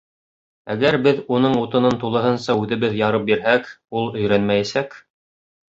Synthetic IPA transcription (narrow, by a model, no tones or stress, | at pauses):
æɡæɾbɘðunɤɴut̪ɤ̆nɤnt̪ulˠɤ̆ɦɤnsɑʉðɘ̆βɘðjɑɾɤp̚biɾɦækulˠɵ̆jɾænmæjæsæk